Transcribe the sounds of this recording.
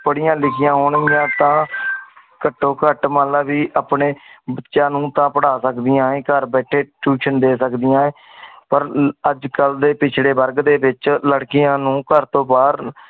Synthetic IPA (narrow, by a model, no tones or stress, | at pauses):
pəɽɪjãːlɪkʰɪjãːɦoːɳjãːt̪ãː | kəʈːoːkəʈmaːlaːbiːʔaːpɳeːbətːʃãːnũːt̪ãːpəɽaːsəkd̪iːjãːẽːkəɾbɛːʈʰeːʈuːʃənd̪eːsəkd̪ɪjãːẽː | pəɾəd͡ʒkəld̪eːpɪt͡ʃʰɽeːbəɾɡd̪eːbɪt͡ʃləɽkɪjãːnũːkəɾt̪õːbaːɾ